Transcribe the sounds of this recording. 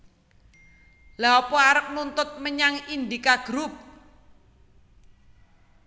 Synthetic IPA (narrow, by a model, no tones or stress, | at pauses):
laɔpɔaɾək̚nunt̪ʊt̪̚məɲaŋind̪ikaɡ̥ɾup̚